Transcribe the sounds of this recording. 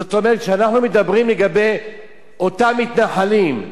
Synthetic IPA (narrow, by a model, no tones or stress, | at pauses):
zot̪o̞me̞ʁet̪ʃeanaχnumed̪abʁimleɡabe̞j | o̞t̪amːit̪naħalim